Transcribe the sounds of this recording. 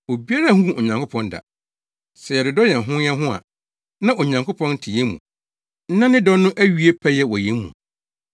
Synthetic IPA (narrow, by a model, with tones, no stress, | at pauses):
o˨bi˦a˦ɾa˦˨hũ˦o˨ɲã˨ŋkʰo˦pʰɔ̃˦nda̰˨ | sɛ˨jɛ˨dʊ˨dɔ˦jɛ˨n̩˨ɦʊ̃˦jɛ˦ɦʊ̃˦a̰˨ | nã˦ʔo˨ɲã˨ŋkʰpʰɔ̃˦n̩˦tʰɪ˨jɛ˦mṵ̃˨ | n̩˦nã˦nɪ̃˦dɔ˦nʊ̃˦ʔæ˦ɥi˨e˦pʰæ˦jɛ˦wɔ˨je˨˦mṵ̃˨